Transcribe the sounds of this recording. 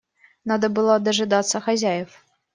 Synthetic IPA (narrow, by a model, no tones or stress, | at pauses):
nad̪ɐbɨlˠɔd̪ɐʐɨd̪at̪sːɐxazʲajɛf